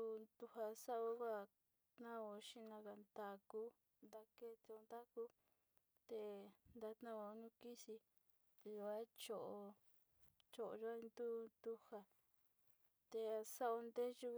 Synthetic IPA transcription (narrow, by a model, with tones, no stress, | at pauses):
u˧d̪u˧ha˧sa˦o˧˦ɣa˦˨ | t̪nã˦o˧ʃĩ˦˧nã˧ka˨nd̪a˧ku˦ | nd̪a˧ke˦t̪e˧o˧nd̪a˦ku˦ | t̪e˧nd̪a˧t̪nã˦o˧˦nũ˦ki˦si˧ | t̪e˧jo˧a˦t͡ʃo˧˨ʔo˧ | t͡ʃo˧˨ʔo˧ʒo˧˦a˦˧nd̪u˦nd̪u˧ha˧ | t̪e˧a˧sa˦o˧nd̪e˦ʒu˧